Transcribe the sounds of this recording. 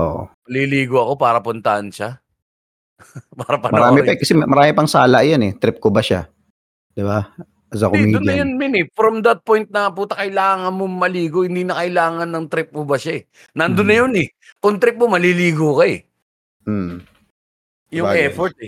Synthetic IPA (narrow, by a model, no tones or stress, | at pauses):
ʔoʔmɐliliːɡoɐko̞paːɾɐpʊnt̪ɐʔɐnʃa | paːɾɐpɐnmɐɾaːmɪpɐkɐsɛmɐɾaːmɪpɐŋsaːlɐʔjanɛt̪ɾɪp̚kobɐʃa̰ | d̪̥ɪba | ɐzakomid̪ʊnɡ̪ɐjonmɪnɛfɾɐmd̪ɐt̪̚pojnt̪̚nɐpʊt̪ɐkɐjlaːŋɐnmomɐliːɡohɪnd̪inɐkɐɪlaːŋɐnːɐŋt̪ɾɪp̚mobɐʃaɛ | nɐnd̪ʊnːɐjonɛ | kʊŋt̪ɾɪp̚momɐliliːɡokɐɛ | m̩ | jʊaʔɛfoɹt̪̚ɛ